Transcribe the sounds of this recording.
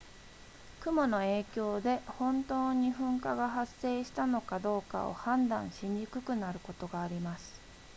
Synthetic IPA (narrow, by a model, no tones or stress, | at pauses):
kɯ̟mo̞no̞e̞ːkʲo̞ːd̪e̞hõ̞nt̪o̞ːɲ̟iɸɯ̟̃ŋkaɡaɦasːe̞ːɕi̥t̪ano̞kad̪o̞ːka̰o̰hãnd̪ã̰ɰ̃ɕĩɲ̟ʲikɯ̟kɯ̟naɾɯ̟ko̞t̪o̞ɡaːɾʲimasɨ̥